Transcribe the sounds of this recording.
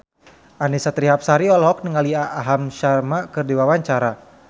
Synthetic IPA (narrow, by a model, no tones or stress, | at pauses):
ʔanisat̪ɾiɦap̚saɾiɔlɦɔk̚niŋaliaːɦamʃarmakɨrdiwawaɲt͡ʃaɾa